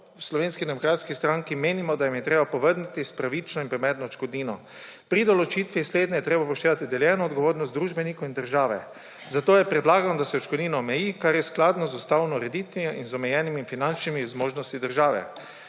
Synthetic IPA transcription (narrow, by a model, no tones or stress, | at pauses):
wslɔʋeːnskind̪ɛmɔkɾaːt̪skist̪ɾaŋkimeːnimɔd̪ajimjɛt̪ɾeːbapɔʋəɾnit̪ispɾaʋit͡ʃnɔinmpɾɛmɛːd̪nɔt͡ʃkɔd̪niːnɔ | pɾid̪ɔlɔt͡ʃit̪ʋisleːd̪nɛjɛt̪ɾeːbapɔʃt̪eːʋat̪id̪ɛljɛːnɔːd̪ɡɔʋoːɾnɔst̪d̪ɾuːʒbɛnikoind̪əɾʒaːʋɛ̰ | zat̪oːjɛpɾɛd̪laːɡanɔd̪asɛɔt͡ʃkɔd̪niːnɔːmɛjikaɾjɛsklaːd̪nɔzust̪awnɔɾɛd̪it̪ʋiɔinzɔmɛjɛːnimiːnfinant͡ʃnimizmoːʒnɔst̪id̪əɾʒaːʋɛ̰